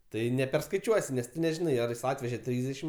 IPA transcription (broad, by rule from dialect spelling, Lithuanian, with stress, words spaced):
ˈtɐɪ nʲɛpʲɛrskɐɪˈt͡ʃʲuɔsʲɪ nʲɛs tʊ nʲɛˈʒʲɪnɐɪ ɐr ˈjɪs ˈɑːtʲʋʲɛʒʲɛ ˈtʲrʲiːzʲdʲɛʃʲɪm